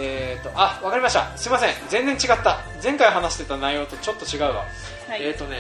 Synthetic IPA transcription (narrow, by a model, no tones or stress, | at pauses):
et̪ːo̞ʔaβakaɾʲimaɕi̥t̪a̰sɨɾʲimas̬ẽ̞ŋd͡zẽ̞nzẽ̞ɲt͡ɕiɡat̪ːa | d͡zẽ̞ŋkaiɦanaɕi̥t̪e̞t̪anajo̞ːt̪o̞t͡ɕo̞t̪ːo̞t͡ɕiɡaɯ̟ɡa̰ | eːt̪ːo̞ne